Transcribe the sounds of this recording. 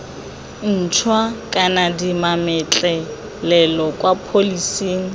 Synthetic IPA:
n̩t͡ʃʰwakʼanadimamɪt͡ɬʼɛ | lɛlɔkʼwapʰolisiːŋ̩

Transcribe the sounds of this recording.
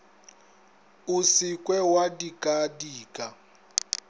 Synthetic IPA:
usikʼwɛwadikʼadiːkʼa

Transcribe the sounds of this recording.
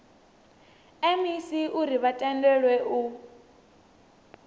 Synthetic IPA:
ɛmisiʔuɾiβatʼɛndɛɺwɛʔu

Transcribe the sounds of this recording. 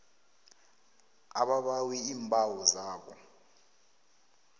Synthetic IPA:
a̰ɓaɓawiiːmbʱʼawɔzaːɓɔ̰

